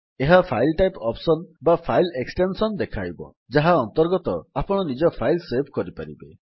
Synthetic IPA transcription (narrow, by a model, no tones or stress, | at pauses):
eɦapʰajlʈajpɔpsɔnbapʰajleksʈensɔnd̪ekʰajbɔ̰ | d͡ʒaɦaɔnt̪ɔɾɡɔt̪ɔapɔɽ̃ɔnid͡ʒɔpʰajlsebʰʱkɔɾipa̰ɾḭbe